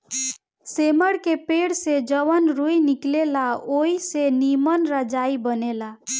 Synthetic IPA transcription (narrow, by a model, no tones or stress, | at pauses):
seməɽkepeɽsed͡ʒəβənɾujniklelaoisenimənɾəd͡ʒaibənela